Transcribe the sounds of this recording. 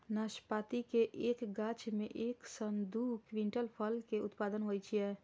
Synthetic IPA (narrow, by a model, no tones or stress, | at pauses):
naːʃpaːt̪ikeʔeːkɡat͡ʃmẽʔeːksənd̪ʱukʋĩɳʈəlpʰəlkeʊt̪paːd̪ənɦojt͡ʃʰijɛ